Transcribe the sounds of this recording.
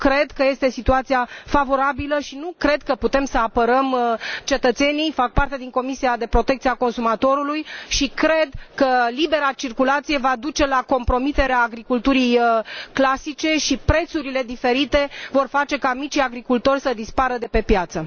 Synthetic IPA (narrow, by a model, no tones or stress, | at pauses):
kɾe̞d̪kəje̞st̪e̞sit̪uat̪sijafavo̞ɾabiləʃinukɾe̞d̪̚kəput̪e̞msəapəɾəmt͡ʃe̞t̪ət̪se̞nijfak̚part̪e̞d̪iŋko̞misiad̪e̞pɾo̞t̪e̞k̚t̪siako̞nsumat̪o̞ɾulujʃikɾe̞d̪kəlibe̞ɾat͡ʃirkulat̪sije̞vad̪ut͡ʃe̞lako̞mpɾo̞mit̪e̞ɾeaːɡɾikult̪uɾijklasit͡ʃe̞ʃipɾe̞t̪suɾile̞d̪ife̞ɾit̪e̞vo̞rfat͡ʃe̞kamit͡ʃijaɡɾikult̪o̞rʲsəd̪ispaɾəd̪e̞pe̞pjat̪sə